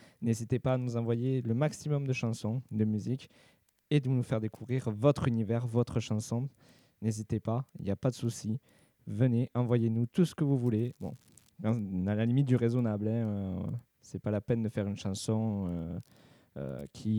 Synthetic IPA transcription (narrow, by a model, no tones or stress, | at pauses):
nezit̪epaːnuzɑ̃vwajeləmaksimɔmd̪əʃɑ̃sɔ̃d̪əmyzik | ed̪ənufɛʁd̪ekuvʁiʁvɔt̪χynivɛʁvɔt̪χəʃɑ̃sɔ̃ | nezit̪epaḭljapad̪əsusi | vəneʔɑ̃vwajenut̪usə̥kəvuvulebɔ̰̃ | kɑ̃alalimit̪̚d̪yʁezɔnablɛ̃ø | sɛpalapɛnd̪əfɛʁynəʃɑ̃sɔ̃ø | ø̰kʲʰi